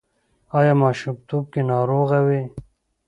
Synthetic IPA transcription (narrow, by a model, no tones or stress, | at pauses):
aːjaːmaːʃumt̪oːb̚kenaːɾoːɣawe